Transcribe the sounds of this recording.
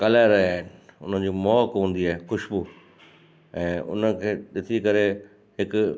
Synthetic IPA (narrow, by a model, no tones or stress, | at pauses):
kɐlaɾɐiaːɦɪnɪ̆ʊn̤ən̆d͡ʑiːmɔːkɦũːn̆d̪iaːɦexʊʃbu | ɛ̃ːʔʊ̰nə̆kʰeːɗɪt̪ʰikɐɾe | ɦɪk